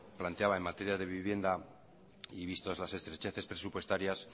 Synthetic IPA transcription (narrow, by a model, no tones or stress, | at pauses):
plant̪eaβae̞mat̪e̞ɾjaðe̞βiβje̞nd̪a | iβist̪ozlase̞st̪ɾet͡ʃe̞θe̞spɾe̞supwe̞st̪aɾjas